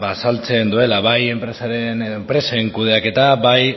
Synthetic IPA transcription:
basalt͡se̞nd̪ue̞laβaje̞mpɾesaɾenempɾe̞saeŋkuð̞e̞ake̞t̪aβaj

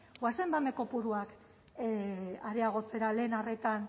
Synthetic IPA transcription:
ɡwasembame̞ko̞puɾuak | aɾeaɣ̞o̞t͡se̞ɾale̞ːnare̞t̪an

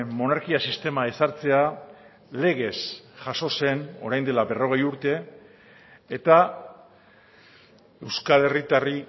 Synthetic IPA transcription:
mo̞naɾkiasist̪e̞mae̞saɾt͡se̞a | le̞ɣ̞e̞sʝaso̞se̞no̞ɾajnd̪e̞labe̞ro̞ɣ̞e̞juɾt̪e̞ | t̪a | e̞wskale̞rit̪ari

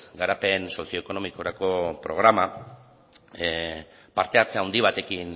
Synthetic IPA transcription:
ɡaɾape̞nso̞sijo̞eko̞no̞miko̞ɾako̞pɾo̞ɣ̞ɾama | paɾt̪e̞aɾt͡seawnd̪iβ̞at̪e̞kin

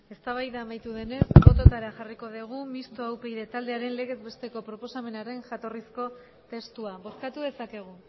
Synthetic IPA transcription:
e̞st̪aβ̞ajðaːmajt̪uðe̞ne̞sbo̞t̪o̞t̪aɾaʝariko̞ðeɣ̞umist̪o̞awpejðe̞t̪ald̪e̞aɾe̞nle̞ɣe̞zβe̞st̪e̞ko̞pɾo̞po̞same̞naɾe̞nʝat̪o̞risko̞ | t̪e̞st̪uaβo̞skat̪uðe̞sake̞ɣ̞u

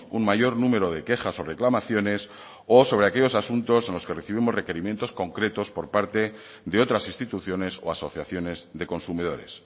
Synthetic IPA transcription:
unmaʝo̞ɾnũme̞ɾo̞ð̞e̞ke̞xaso̞re̞klamaθjo̞ne̞s | oso̞β̞ɾe̞ake̞ʎo̞sasunt̪o̞se̞nlo̞ske̞re̞θiβ̞imore̞keɾimjent̪o̞sko̞ŋkɾe̞t̪o̞spo̞ɾpaɾt̪e̞ | ðeo̞t̪ɾasinst̪it̪uθjo̞ne̞so̞̰aso̞θjaθjo̞nezðe̞ko̞nsumið̞o̞̰ɾe̞̰s

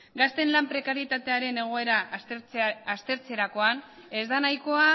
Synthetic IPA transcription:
ɡast̪e̞nlampɾe̞kaɾjet̪at̪e̞aɾe̞ne̞ɣ̞o̞e̞ɾaː | st̪e̞ɾt͡se̞ɾako̞ane̞zd̪anajko̞a

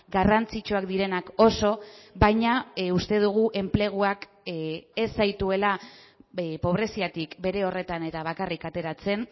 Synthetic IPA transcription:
ɡarant͡sit͡ʃuakd̪iɾe̞nako̞so̞bajɲaust̪e̞ð̞uɣ̞uʔe̞mple̞ɣ̞uak | e̞sajt̪ue̞la | po̞β̞ɾe̞siat̪ikbe̞ɾe̞o̞re̞t̪ane̞t̪aβ̞akarikat̪e̞ɾat͡se̞n

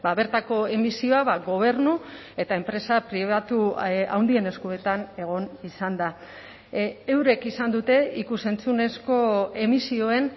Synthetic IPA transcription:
baβe̞ɾt̪ako̞e̞misio̞aβaɡo̞β̞e̞rnu | e̞t̪ae̞mpɾe̞sapɾiβat̪ua̰wnd̪ie̞ne̞skue̞t̪ane̞ɣ̞o̞nisand̪a | ewɾe̞kisand̪ut̪e̞ikuse̞nt͡sune̞sko̞e̞misio̞e̞n

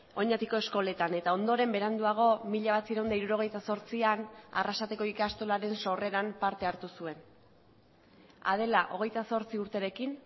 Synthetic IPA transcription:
o̞ɲat̪iko̞e̞sko̞le̞t̪ane̞t̪ao̞nd̪oɾe̞mbe̞ɾand̪uaɣ̞o̞miʎaβ̞at͡siɾawnd̪aiɾuɾo̞ɣ̞e̞jt̪aso̞ɾt͡siana̰rasat̪e̞ko̞ikast̪olaɾe̞nso̞re̞ɾampaɾt̪e̞aɾt̪usue̞n | a̰ðe̞laʔo̞ɣ̞e̞jt̪aso̞ɾt͡siuɾt̪e̞ɾe̞kin

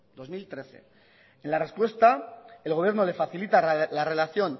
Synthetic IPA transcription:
d̪o̞zmilt̪ɾe̞θe̞̰ | enlare̞spwe̞st̪aelɣoβ̞je̞ɾno̞le̞faθilit̪alare̞laθjo̞n

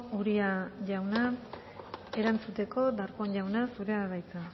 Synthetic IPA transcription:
uɾiaʝawna | e̞ɾant͡sut̪e̞ko̞d̪aɾkoɲʎawnasuɾeaβajt͡s̪a

